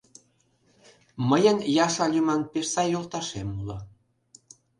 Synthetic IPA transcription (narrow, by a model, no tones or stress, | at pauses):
məjənjɑʃɑlʲymɑnpeʃsɑjːolt̪ɑʃemulɑ